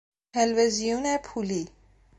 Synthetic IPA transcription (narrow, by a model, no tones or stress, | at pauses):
ɛlʋezijunɛpʰuːli